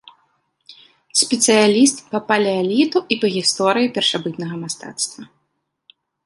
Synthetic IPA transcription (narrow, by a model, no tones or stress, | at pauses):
sʲpʲɛt̪sɨjalʲist̪pɐpalʲɛalʲit̪uʔipɐɣʲist̪ɔɾɨjipʲɛrʂabɨt̪nɐɣɐmast̪a̰t̪st̪vɐ